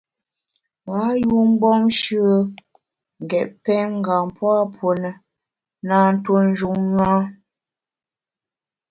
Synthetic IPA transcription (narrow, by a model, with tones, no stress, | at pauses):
wa˨˦ju˦m̩˦bɔ˦mʃɯ˦ə˦ | ŋ̩˨ɡɛ˨ʔpɛ˦ŋ̩˦˨ɡa˨mpwa˦pʰo˨nə˨ | na˨n̩˦two˦n̩˦d͡ʒu˨ŋŋa˦